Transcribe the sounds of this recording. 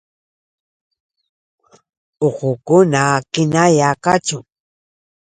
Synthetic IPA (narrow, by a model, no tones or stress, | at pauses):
oqʊkʊnakɪnajakat͡ʃʊ